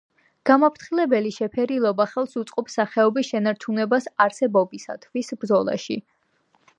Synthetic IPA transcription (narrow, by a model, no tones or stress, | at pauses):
ɡ̥amapʰɾt̪ʰχilɛbɛliʃɛpʰɛɾilˠɔbaχɛlˠsut̪sʼqʼɔpsaχɛɔbisʃɛnaɾt͡ʃʰunɛbasaɾsɛbɔbisa̰t̪ʰvisbɾd̪zɔlˠa̰ʃḭ